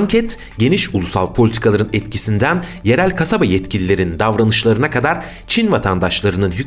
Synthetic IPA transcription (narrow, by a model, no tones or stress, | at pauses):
ɲcʰɛt̪ | ɟe̞niʃulˠusa̰lˠpʰo̞lʲit̪ʰi̥kʰalˠaɾɯnɛt̪cʰisind̪ænje̞ɾælʲkʰasabajɛt̪cʰilʲilʲe̞ɾind̪avɾanɯʃlˠaɾɯnakʰad̪aɾ | t͡ʃʰinvat̪ʰand̪aʃlˠaɾɯnɯnɦy